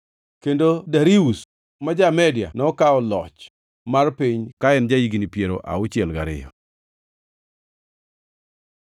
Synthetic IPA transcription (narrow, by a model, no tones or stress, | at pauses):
kendodaɾius | mad͡ʒamɛdja̰nɔkaɔlɔt͡ʃ | marpiɲkaɛnd͡ʒajiɡinipjeɾoʔa̰ʊt͡ʃɛlɡaɾɪ̰jɔ̰